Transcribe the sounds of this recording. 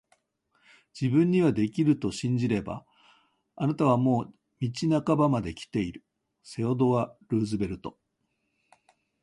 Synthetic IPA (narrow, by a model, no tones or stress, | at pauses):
d͡ʑibɯ̟̃ɲ̟ːiβad̪e̞kʲiɾɯ̟t̪o̞ɕĩɲ̟d͡ʑiɾe̞ba̰ | anat̪aβ̞amo̞ː | mʲit͡ɕinakabamad̪e̞kʲi̥t̪e̞iɾɯ̟ | se̞od̪o̞βaɾɯːzɨbe̞ɾɯ̟t̪o̞